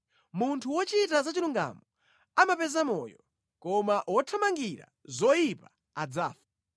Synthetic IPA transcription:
muntʰuwɔt͡ʃitazat͡ʃiɾuŋɡa̰mɔ | amapɛzamɔ̰jɔ | kɔmaʔwɔtʰamaŋɡiɾa̰zɔjipa | ad͡zaːfḁ

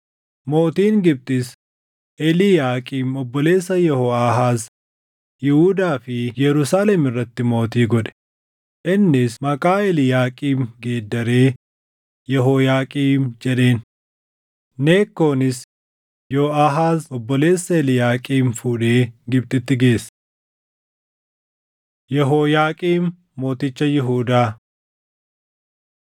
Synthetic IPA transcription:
mo̞ːt̪iːŋɡɪb̚t̪ʼɪs | ʔɛlɪjaːkʼiːmɔbːɔle̞ːsːɐjɛhoːaːɦaːz | jɪhud̪aːfɪjɛɾʊsaːlɛmɪrːɐt̪ːɪmo̞ːt̪iːɡɔᶑɛ̥ | ʔɪnːɪsmɐkʼaːɛlɪjaːkʼiːmɡe̞ːd̪ːɐɾeː | jɛɦoːjaːkʼiːmd͡ʒɛɗe̞ːn | ne̞ːkːo̞ːnɪs | joːɐɦaːzɔbːɔle̞ːsːɐɛlɪjaːkʼiːnfuːᶑe̞ːɡɪb̚t̪ɪt̪ːɪɡe̞ːsː | jɛɦoːjaːkʼiːnː | o̞ːt̪ɪt͡ʃːɐjɪɦuːd̪aː

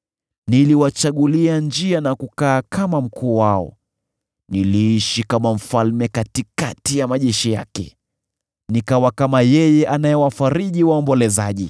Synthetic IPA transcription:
niliwat͡ʃaɠuliand͡ʒianakukaːkamam̩kʰuːwaɔ̰ | niliiʃikamam̩falmɛkatikatijamaʄɛʃija̰kɛ̰ | nikawakamajɛjɛʔanajɛwafaɾiʄiwaɔmbɔlɛzaʄi

